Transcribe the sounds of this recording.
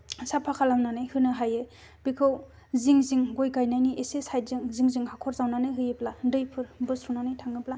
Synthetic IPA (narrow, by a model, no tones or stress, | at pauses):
sapʰakʰalamnanɯjhɯnɯɦajɯ | b̥ikʰɯw | ziŋziŋɡojɡajnajniʔesesajd̚zɯŋziŋziŋhakʰɔɾzawnanɯjɦɯjɯpladɯjpʰɯɾbɯsɾunanɯjtʰaŋɯpla